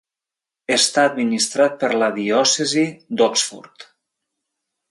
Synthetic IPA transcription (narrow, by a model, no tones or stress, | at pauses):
əst̪aəd̪minist̪ɾat̪̚pəɾləðiɔsəzid̪ɔksfɔ̰ɾt̪